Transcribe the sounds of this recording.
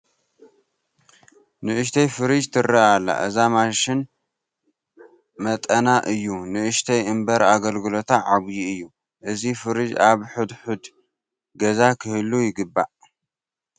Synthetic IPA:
nɨʔɨʃ̬t̪ʰɐjfɨɾɨd͡ʒt̪ʰɨɾːaʔalːa̰ʔɨzamaʃɪn | mɐt̪ʼɐnaʔɨjːunɨʔɨʃt̪ʰɐjɨmbɐɾaɡɐlɡɨlo̞t̪ʰaʕaβjiɨjːu | ʔɨzifɨɾɨd͡ʒaβħud̪ħud̪ | ɡɐzakʰɨhɨlːujɪɡɨbːa̰ʔ

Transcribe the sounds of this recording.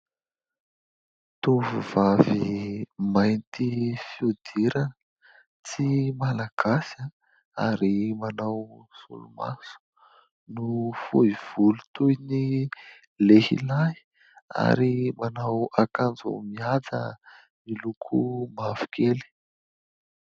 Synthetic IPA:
t̪uvuv̥avimajnt̪ifiud̪̥iɾanə | t͡simalaɡ̥asa | a̰ɾimanawsṵluma̰su̥ | nufuiv̥ulu̥t̪ujni | lehḭlaj | a̰ɾimanawakand͡zṵmiad͡zə̰ | milukʰumav̥u̥kʰeli̥

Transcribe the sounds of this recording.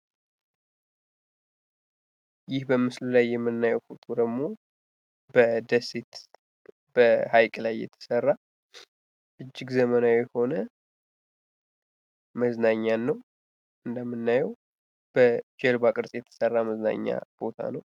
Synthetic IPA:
jɪhbəmːɨslulajːɛmːɨnːajɛwfut̪ʼud̪əɡmo̞ | bəd̪əsit̪ | bəhajkʼlajːɛ̰t̪ʰə̥sərːa | ʔɨd͡ʒːɪɡzəmənawjɛho̞nə | məznaɲːanːəw | ʔɨnd̪əmːɨnːajəw | b̥əd͡ʒɛlbakʼɨɾsʼjɛt̪ʰə̥sərːaməzna̰ɲːa̰b̥o̞t̪ʰa̰nəw

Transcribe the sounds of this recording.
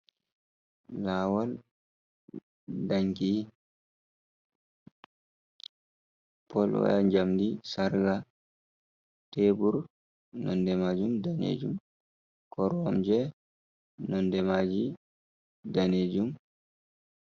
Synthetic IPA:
laːwal | daŋki | pɔlwa̰jaɲd͡ʒamdisaɾɡa | tebuɾ | nɔ̰ndɛmad͡ʒumdanḛd͡ʒum | kɔɾwamd͡ʒɛ | nɔndɛmad͡ʒi | daned͡ʒum

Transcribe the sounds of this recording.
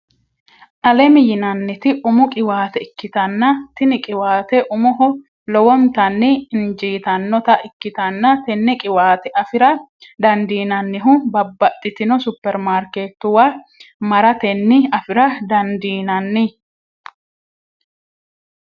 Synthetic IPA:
ʔɐlɛmɪjɪnɐnːɪt̪ɪʔʊmʊkʼɪwaːt̪ɛɪkːɪt̪ɐnːɐt̪ɪnɪkʼɪwaːt̪ɛʔʊmʊɦɔ | lɔwɔnt̪ɐnːɪɪnd͡ʒiːt̪ɐnːɔt̪ɐʔɪkːɪt̪ɐnːɐt̪ɛnːɪkʼɪwaːt̪ɛɐfɪɾɐd̪ɐnd̪iːnɐnːɪɦʊbɐbːɐt̪ʼːɪt̪ɪnɔsʊpːɛɾmaːɾkeːt̪ːʊwa | mɐɾɐt̪ɛnːɪɐfɪɾɐd̪ɐnd̪iːnɐnːɪ

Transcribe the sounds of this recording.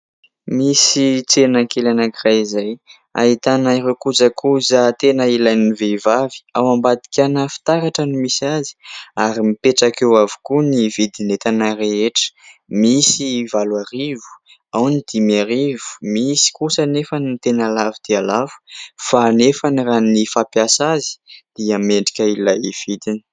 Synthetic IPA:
misit͡senakelanakiraizaj | a̰it̪anaiɾekud͡zakʰuzat̪enəilajnivevavi̥awambad̪i̥kʲanəfi̥t̪aɾaʈ͡ʂənimisiazi̥aɾimipeʈ͡ʂakewavi̥kunivid̪inet̪anareeʈ͡ʂə̥misivalwaɾivu̥ | awnid̪imiaɾivu̥misi̥kusənefanint̪enalavid̪̥ealavu̥fanefaniranifapjasazi̥d̪̥iameɳɖ͡ʐikʲəilajiv̥id̪ini̥

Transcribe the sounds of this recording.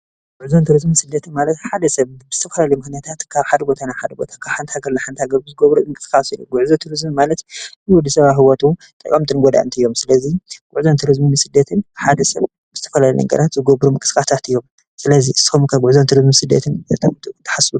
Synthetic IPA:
ɡ̥uʕzont̪ʰɨɾɨzmisɨd̪ːɐt̪ʰɨnmalɐt̪ħad̪ɐsɐβbɨz̥ɨt̪ʰɐfɐlalɐjmɨxnijat̪ʰat̪kʰaβħad̪ɐbo̞t̪ʰanajħad̪ɐbo̞̰t̪ʰakʰaβħant̪haɡɐɾlaħant̪haɡɐɾɨzɨɡɐβɾuɨŋkʼɨ̥sxasilṵɡuʕzot̪ʰɨɾɨzmimalɐt̪wɔd̪ːisɐβaɦɨwɔt̪ʰʼu | t̪ʼɐkʼamt̪ʼɨnɡɔd̪a̰ʕɨ̰nt̪ʰiɨjːo̞msɨlɐziɡ̥uʕzont̪ʰɨɾɨzminsɨd̪ːɐt̪ʰɨnħad̪ɐsɐβ | bɨzɨt̪ʰɐfɐlaljɛ̰ŋɡɐ̰ɾat̪zɨɡɐbɾumɨkʼɨ̥sxast̪ʰat̪ɨjːo̞m | sɨlɐziʔɨsi̥xomkʰaɡʷʊʕzont̪ʰɨɾɨzmisɨd̪ːɐ̰t̪ʰɨnzɐt̪ʰat̪ʰt̪ʰːɐ̥ħasulu

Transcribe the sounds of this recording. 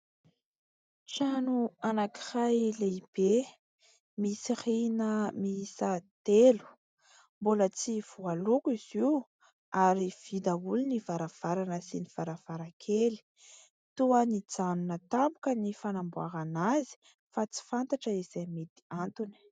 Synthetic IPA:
t͡ʃanuanaki̥hajleib̥e | misirinəmiisat̪elu̥ | mbolət͡siv̥ualukiz̥i | aɾiv̥id̪aulinivaɾav̥aɾanəsiniv̥aɾav̥aɾakʰeli̥ | t̪uənid͡zanunət̪ambukənifanambuaɾanazi̥ | fat͡si̥fant̪aʈ͡ʂəiz̥ajmet̪i̥ant̪uni̥

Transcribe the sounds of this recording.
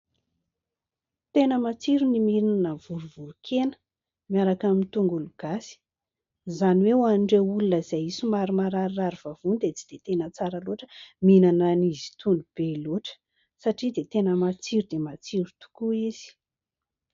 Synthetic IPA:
t̪enəmat͡siɾunimiɾinnəv̥uɾuvuɾukʰenə̥ | mijaɾakamint̪uŋɡuluɡ̥asi̥ | zaniwewaniɳɖ͡ʐeulunəizajisumaɾumaɾaɾiːaɾiv̥av̥unid̪et͡si̥d̪̥et̪enət͡saɾəloʈ͡ʂə̥minanənizi̥t̪unub̥eloʈ͡ʂə̥ | saʈ͡ʂid̪et̪enəmat͡siɾud̪emat͡siɾut̪u̥kuiz̥i̥

